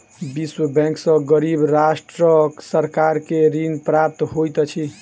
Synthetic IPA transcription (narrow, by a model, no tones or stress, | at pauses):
biswəbɛ̃ŋksə̃ɡəɾibɾasʈɾəksəɾkaɾkeɾinpɾap̚t̪ɦojt̪t͡ʃʰi